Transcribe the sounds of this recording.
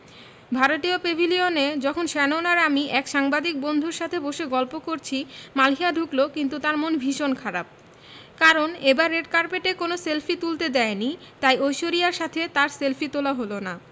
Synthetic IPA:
bʱaɾot̪iopebʱilioned͡ʑɔkʰonʃɛnonaɾamiʔɛkʃaŋbad̪ik̚bond̪ʱuɾʃat̪ʰeboʃeɡɔlpokoɾt͡ɕʰimalɦiaɖʱuklokint̪ut̪aɾmonbʱiʃonkʰaɾap̚ | kaɾonebaɾːeɖkaɾpeʈekonoselfit̪ult̪ed̪ɛeni | t̪ajojʃoɾiaɾʃat̪ʰet̪aɾselfit̪olaɦolona

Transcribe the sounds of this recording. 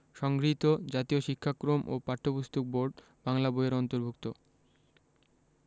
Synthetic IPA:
ʃɔŋɡɾit̪od͡ʑat̪ioʃikʰːakɾomʔo̰paɾt̪ʰːopust̪ʰok̚boɾɖ | b̥aŋlaboeɾɔnt̪oɾbʱukt̪o

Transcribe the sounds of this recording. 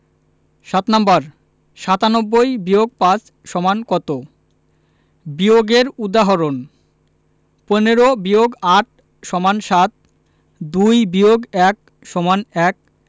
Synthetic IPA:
ʃat̪nambaɾ | ʃat̪anɔbːojbioɡ̚pat͡ɕ | ʃɔmankɔt̪o | bioɡeɾud̪aɦɔɾon | poneɾobioɡaʈ̚ʰ | ʃɔmanʃat̪̚ | d̪ujbioɡɛk̚ | ʃɔmanɛk̚

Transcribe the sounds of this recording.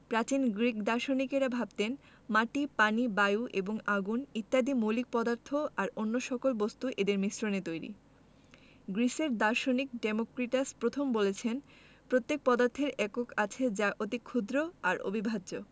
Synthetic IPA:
pɾat͡ɕinɡɾikd̪aɾʃonikeɾabʱab̚t̪en | maʈipanibajuʔeboŋaɡunit̪ːad̪imulik̚pɔd̪aɾt̪ʰːoaɾonːoʃɔkolbost̪uʔed̪eɾmisɾonet̪ojɾḭ | ɡɾiseɾd̪aɾʃonikɖemokɾiʈaspɾot̪ʰombolet͡ɕʰen | pɾot̪ːek̚pɔd̪aɾt̪ʰːeɾɛkokat͡ɕʰed͡ʑaot̪ikʰːud̪ɾoaɾo̰bʱibʱadd͡ʑo

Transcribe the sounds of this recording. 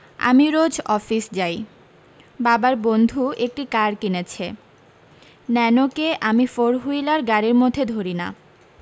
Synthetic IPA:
a̰miɾod͡ʑʱɔfisd͡ʑaj | babaɾbond̪ʱuek̚ʈikaɾkinet͡ɕʰe | nɛnokeʔamifoɾɦujlaɾɡaɾeɾmod̪ʱed̪ʱoɾina̰

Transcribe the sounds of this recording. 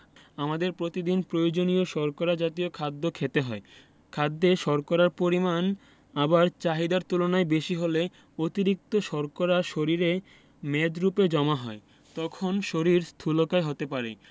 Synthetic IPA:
amad̪eɾpɾot̪id̪inpɾojod͡ʑonioʃɔɾkoɾad͡ʑat̪iokʰad̪ːokʰet̪eɦɔe | kʰad̪ːeʃɔɾkoɾaɾpoɾiman | abaɾt͡ɕaɦid̪aɾt̪ulonaebeʃiɦole | ot̪iɾik̚t̪oʃɔɾkoɾaʃoɾiɾe | med̪ɾuped͡ʑɔmaɦɔ̰e | t̪ɔkʰonʃoɾiɾst̪ʰulokaeɦot̪epaɾḛ

